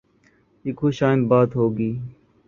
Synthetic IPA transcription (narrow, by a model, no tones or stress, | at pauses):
ɪkɦoʃaːɪnbaːt̪ɦoːɡiː